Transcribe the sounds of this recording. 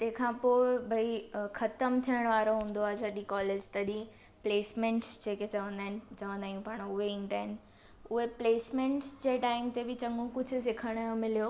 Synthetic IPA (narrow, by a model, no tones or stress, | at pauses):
t̪ɐ̃ɦɪ̃kʰãːpoːɪbʱɐixɐt̪əmt̪ʰijəɽ̃ʋaːɾoɦũːn̆d̪oaːzaːɗikɔːleːd͡ʑt̪ɐɗĩ | pleːsmẽːɳʈsd͡ʑeːket͡ɕɐʋə̃nd̪aːɦɪnɪ̆t͡ɕɐʋə̃nd̪aːjũpaːɽ̃ʊɦeɪ̃nʈ̪aːɦɪnɪ̆ | ʊɦepleːsmẽːɳʈsd͡ʑeːʈaːɪmt̪ebɪt͡ɕɐ̃ŋɡũkʊd͡ʑʱʊsɪkʰəɽ̃jomɪlijoː